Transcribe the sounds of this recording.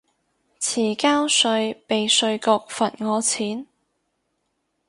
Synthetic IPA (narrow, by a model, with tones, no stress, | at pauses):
t͡sʰiː˨˩kaː˥wsɵ˧ɥpe˨˧jsɵ˧ɥkʊ˧k̚fɐ˨˩nŋɔː˨˧t͡sʰiː˨˥n